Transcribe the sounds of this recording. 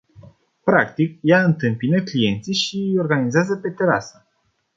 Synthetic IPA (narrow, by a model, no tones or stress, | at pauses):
pɾakt̪ikjaɨnt̪ɨmpinəklije̞nt̪siʃijo̞rɡanizeazəpe̞t̪eɾa̰sə